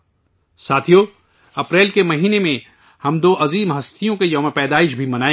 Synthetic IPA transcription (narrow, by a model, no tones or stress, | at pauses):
saːt̪ʰijo | ɐpɾɛːlkemɐɦiːnemẽ | hɐmd̪oːʔɐziːmɦɐst̪ʰijõkejɐmẽpɛːd̪aːɪʃbʱimɐnaːẽ